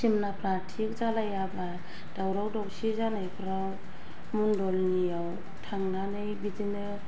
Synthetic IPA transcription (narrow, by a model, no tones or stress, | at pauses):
simnapʰɾatʰik̚zalajaba | d̥awɾawdɔk̚sizanajpʰɾaw | mundɔlniaw | tʰaŋnanɯjbidinɯ